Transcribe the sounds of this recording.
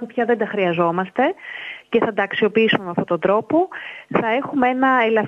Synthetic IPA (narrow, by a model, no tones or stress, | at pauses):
pupçɐðend̪ɐxɾiɐzo̞mɐst̪e̞ce̞θɐd̪ɐːksio̞piisumemeɐft̪ot̪o̞nd̪ɾo̞po̞θɐe̞xumee̞nɐelɐf